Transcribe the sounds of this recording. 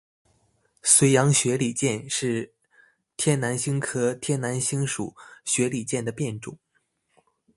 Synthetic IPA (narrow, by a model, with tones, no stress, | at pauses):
swe˧˥ɪjɑ˧˥ŋɕɥɛ˧˥li˨˩t͡ɕjɛ˥˧nʂɻ̩˥˩ | t̪ʰjɛ˥nna˧˥nɕi˥ŋkʰɤ˥t̪ʰjɛ˥nna˧˥nɕi˥ŋʂṵ˨˩˦ɕɥɛ˧˥li˨˩t͡ɕjɛ˥˩nd̪ə˩pjɛ˥˩nʈ͡ʂʊ̰˨˩˦ŋ